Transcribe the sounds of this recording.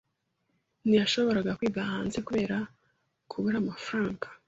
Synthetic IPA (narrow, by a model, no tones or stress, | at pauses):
nijaʃo̞βo̞ɾaɡakwiːɡahaːnzekuβe̞ːɾa | kʰuβuɾamafɾaːŋɡḁ